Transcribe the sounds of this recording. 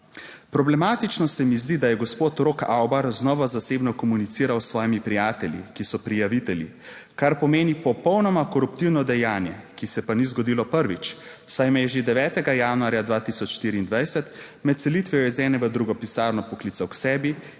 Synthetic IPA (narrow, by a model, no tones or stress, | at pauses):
pɾɔblɛmaːt̪it͡ʃnɔsɛmizd̪id̪ajɛɡɔspoːt̪ɾokawbaɾznɔʋazaseːbnɔkɔmunit̪siːɾawsʋɔːjimipɾijaːt̪ɛljḭkisɔpɾijaʋit̪ɛlʲḭ | kaɾpɔmeːnipɔpɔwnɔmakɔɾupt̪iwnɔd̪ɛjaːnjɛkisɛpanizɡɔd̪ilɔpəɾʋit͡ʃsajmɛjɛʒed̪ɛʋɛːt̪ɛɡajaːnuaːɾjad̪ʋaːt̪isɔt͡ʃʃt̪iːɾiːnd̪ʋajsɛt̪ | mɛt̪̚sɛlit̪ʋɛjɔɛzɛːnɛʋəd̪ɾuɡɔpisaːɾnɔpɔkliːt̪awksɛːbi